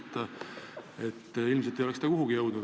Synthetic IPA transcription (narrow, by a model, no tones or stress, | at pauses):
t̪ːˑɑ | e̞t̪ːilmset̪ːˑejolest̪ɑkuɦuɡijɤwd̪̥nud̪